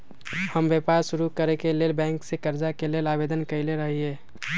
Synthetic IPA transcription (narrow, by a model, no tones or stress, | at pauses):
həmbepaɾsʊɾukəɾekelelbɛ̃ːŋksekəɾd͡ʒakeleːlaːbeːd̪ənkəɪleɾəɦiɦeː